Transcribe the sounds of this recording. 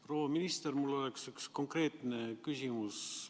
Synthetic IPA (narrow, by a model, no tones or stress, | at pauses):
pro̞ːwɑminist̪ermulːo̞leksyksko̞ŋkre̞ːt̪ˑne̞kysimus